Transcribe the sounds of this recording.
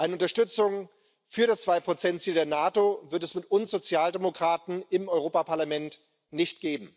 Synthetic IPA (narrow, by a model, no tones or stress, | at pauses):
ʔaɪnəʊntɐʃtʏt͡sʊŋ | fyːɐɾast͡sv̥aɪpʁ̥ot͡sɛntt͡siːldeːɐnaːtovɪɐt̬ɛsmɪtʊnsz̥ot͡sjaːldemokʁ̥aːtn̩ɪmɔʏʁ̞oːpapʰaɐlamɛnt | nɪçt̚ɡ̥eːbm̩